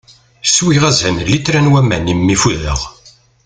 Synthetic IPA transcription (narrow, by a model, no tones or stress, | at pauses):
swiʁæzænlːit̪ɾænwæmæ̰nimːifuðə̰ʁ